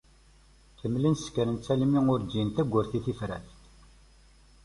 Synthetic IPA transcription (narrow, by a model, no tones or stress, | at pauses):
kəmːlənskːəɾənt͡sːælimiŋʊɾd̪jint̪æɡʷːʊɾθiθifɾæ̰θ